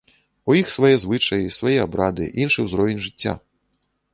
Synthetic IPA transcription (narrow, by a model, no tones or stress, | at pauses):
ujixsvɐjɛzvɨt͡ʂɐjisvɐjɛabɾad̪ɨ̰ʔinʂɨwzɾɔvʲinʲʐɨtʲːa̰